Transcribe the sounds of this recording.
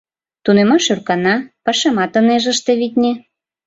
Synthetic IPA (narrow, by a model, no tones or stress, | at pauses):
t̪unemɑʃørkɑnɑpɑʃemɑt̪ə̆neʒə̆ʃt̪ĕβit̪ʲnʲĕ